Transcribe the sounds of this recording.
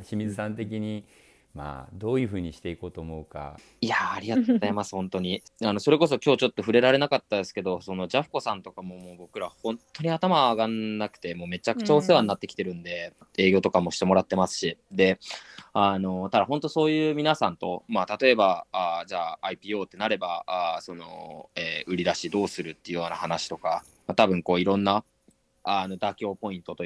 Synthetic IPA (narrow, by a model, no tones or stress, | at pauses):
ɕimʲizɨsãnt̪e̞k̬ʲiɲi | ma̰d̪o̞ːjɯ̟ːɸɯ̟ːɲ̟iɕi̥t̪e̞iko̞ːt̪oːmo̞ɯ̟ka̰ | iaːɾʲiɡaaemasɨ̥hõ̞nt̪o̞ɲ̟ianoso̞ɾe̞ko̞s̬o̞kʲo̞ːt͡ɕo̞t̪ːo̞ɸɯ̟ɾe̞ɾaɾe̞nakat̪ːand̪esɨ̥ke̞d̪o̞so̞no̞d͡ʑaɸɯ̥ko̞sãnt̪o̞kamo̞mo̞ːbokɯ̟ɾahõ̞nt̪ːo̞ɲ̟iat̪amaːɡanːakɯ̟̥t̪e̞mo̞ːme̞t͡ɕakɯ̟̥t͡ɕao̞seβanːat̪ːe̞kʲi̥t̪e̞ɾɯ̟̃nd̪e̞e̞ːɡʲo̞t̪o̞kamo̞ɕi̥t̪e̞mo̞ɾat̪ːe̞masɨ̥ɕid̪e̞ano̞t̪ad̪aɦõ̞nt̪o̞so̞ːjɯ̟ːmʲinasãnt̪o̞mat̪at̪o̞e̞baad͡ʑaːipʲiːo̞ːt̪ːe̞naɾe̞baaso̞no̞̰eːɯ̟ɾʲid̪aɕid̪o̞ːsɨɾɯ̟t̪ːeɯ̟joːnahanaɕi̥t̪o̞ka | mat̪abɯ̟̃ŋko̞ːiɾõ̞nːa | ano̞d̪akʲo̞ːpo̞ĩnt̪o̞t̪o